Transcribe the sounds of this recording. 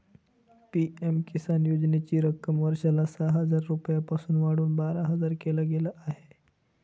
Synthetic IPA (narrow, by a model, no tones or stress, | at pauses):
piemkisanjod͡ʑnet͡ɕiːɾəkəmʋəɾʂalasaɦəd͡zaɾːupəjapasuːnʋaɽuːnbaɾaɦəd͡zaɾkelaɡelaʔaɦe̥